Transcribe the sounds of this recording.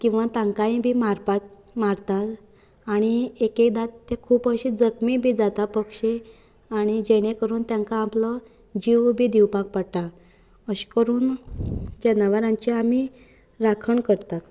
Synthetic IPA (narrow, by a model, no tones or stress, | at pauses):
kĩw̃ʋat̪ãŋkaĩbʱiːmaɾpat̪̚ | maɾt̪at̪ | aɽ̃iekekd̪at̪ːekʰuːpəɕid͡zəkmibʱiːd͡zat̪apəkʂe | aɽ̃id͡ʑeɽ̃ekəɾuːnt̪jaŋkaːmplɔ | d͡ʑiʋbʱiːd̪iwpak̚pəɽʈ̪a | əɕkəɾuːn | d͡ʑenaʋaɾãɲt͡ɕiami | ɾakʰəɳkəɾt̪at̪̚